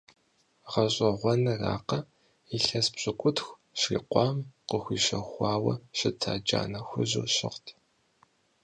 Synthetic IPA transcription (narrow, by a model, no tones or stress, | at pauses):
ʁɐɕʼɐʁʷɔnɐra̰ːqɐ | iɬɐspɕʼɪkʷʼʊtxʷ | ʃrḭːqʷɑːmqəxʷiːɕɐxʷɑːwɐɕɪtʰa̰ːd͡ʒa̰ːnɐxʷʊʑṵːɕɪ̰ʁtʰ